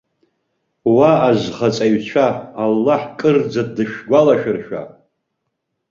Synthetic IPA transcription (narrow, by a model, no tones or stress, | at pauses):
waːzχat͡sʼaɥt͡ɕʷʰaːlːaħkʼɨrd͡zadɨʃᶣɡʷalaʃᶣɨrʃᶣa̰